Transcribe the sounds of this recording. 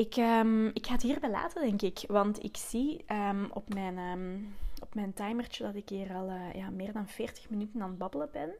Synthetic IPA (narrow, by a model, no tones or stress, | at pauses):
ɪkəmɪkxaːətɦiːrbɛjla̰ːtədɛŋkɪkʋɑntɪ̰ksiʔəmɔpmɛjnəːmɔpmɛjntɑjmərt͡ʃədɑtɪkiːrɑlˠəːjaːmɪːrdɑnfeːrtə̥xmənytənɑnbɑbələbɛn